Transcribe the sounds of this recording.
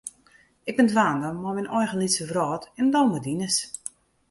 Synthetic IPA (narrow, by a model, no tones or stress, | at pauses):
ɪk̚bɪntʋaːndəmɔmɛnʔɔjxənlisəvrɔːtɛndɔːmədinəs